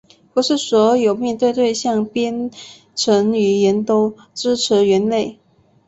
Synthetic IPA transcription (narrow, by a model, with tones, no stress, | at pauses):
pu˧˥ʂɻ̩˥˩swɔ˧˥jo˨˩ʊmjɛ˥˧nt̪we˥˧ɪt̪we˥˧ɪɕjɑ˥˧ŋpjɛ˥n | ʈ͡ʂʰə˧˥ŋy˨˩jɛ˧˥nt̪o˥ʊ | ʈ͡ʂɻ̩˥ʈ͡ʂʰɻ̩˧˥ɥɛ˧˥nle˥˩ɪ